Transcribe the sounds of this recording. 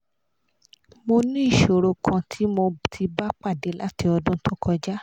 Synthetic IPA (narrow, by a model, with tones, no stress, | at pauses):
mo˧nĩ˦i˦˨ʃo˨ɾo˧kʰã˧tʰi˦mo˧tʰi˧ba˦k͡pa˦˨de˨˦la˦ti˧ɔ˧dũ˦tʊ̃˦kɔ˧d͡ʒa˦